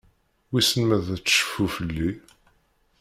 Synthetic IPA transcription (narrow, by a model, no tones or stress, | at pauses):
wisənmæðæt͡sːʃə̥fːufəlːi